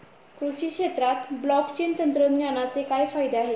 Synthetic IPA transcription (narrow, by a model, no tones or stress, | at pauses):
kɾuɕiːkʂet̪ɾat̪blɔkt͡ɕent̪ənt̪ɾəd̪ɲjanat͡sekajfajd̪eaɦe